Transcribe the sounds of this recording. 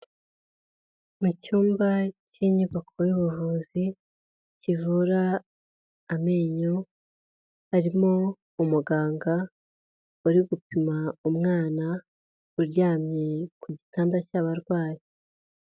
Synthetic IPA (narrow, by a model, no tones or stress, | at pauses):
mucuːmbaciɲuβakʰo̞juβuvuzi | civuɾaː | meːɲo | haɾimo | umuɡaːŋɡa | uɾiɡupimaumŋaːna | uɾɟaːmɲe̞kuɟitaːndacaβaɾɡwaːji